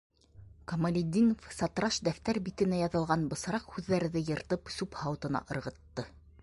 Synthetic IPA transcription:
kɐmɐlʲid̪ʲːinofsɑt̪ɾɑʃd̪æft̪æɾbit̪ɘ̆næjɑðɤ̆lˠʁɑnbɤ̆sɤ̆ɾɑqhʉðːæɾɘ̆ðɘjɤ̆ɾt̪ɤpsʉphɑw̆t̪ɤ̆nɑ̰ʔɤ̆ɾʁɤ̆t̪ːɤ

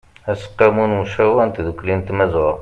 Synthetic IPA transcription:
hæsə̥qːæmunməʃæwænt̪d̪uklint̪mæzwa

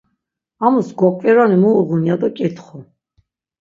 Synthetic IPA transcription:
amusɡɔkʼvɛɾanimɔːʁunijad̪ɔkʼit̪ʰχɔ

